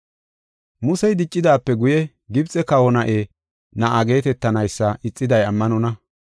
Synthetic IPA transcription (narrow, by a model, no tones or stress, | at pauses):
mʊsɛjd̪ɪt͡ʃʼːɪd̪aːpːɛɡʊjɛ | ɡɪbt͡sʼɛkɐwɔnɐʔe | nɐʔaɡe̞ːt̪ɛt̪ːɐnɐjsːɐʔɪt͡sʼːɪd̪ɐjɐmːɐnɔnɐ